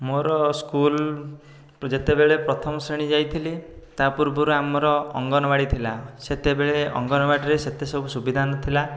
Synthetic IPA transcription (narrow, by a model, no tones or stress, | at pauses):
moɾɔskul | d͡ʒet̪ebeɭepɾɔt̪ʰɔmɔsɾeɽ̃id͡ʒajt̪ʰilit̪apuɾbuɾuamɔɾɔːŋɡɔnɔbaɽit̪ʰilaset̪ebeɭeɔ̰ŋɡɔnɔbaɖɾeset̪esɔbʱusubid̪ʱanɔt̪ʰila